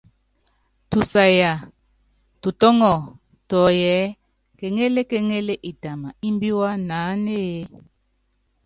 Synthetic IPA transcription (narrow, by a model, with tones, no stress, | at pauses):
tu˨sa˨ja˨ | tu˨tɔ˦ŋɔ˨ | tɔ˨jɛ˨˦ | ke˨ŋe˦le˦ke˦ŋe˦le˦ʔi˨ta˨ma̰˨i˦mbi˦wa˦naː˨˦ne˦je˦